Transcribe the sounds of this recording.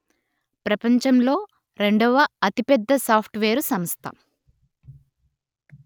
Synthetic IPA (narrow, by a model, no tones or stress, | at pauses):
pɾɐpɐɲt͡ʃɐmlo̞ː | ɾe̞ɳɖɐʋɐɐt̪ipɛd̪ːɐsaːpʰʈʋeːɾusɐmst̪ʰɐ̰